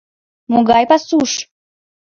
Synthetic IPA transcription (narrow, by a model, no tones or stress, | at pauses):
muɡajpasuʂ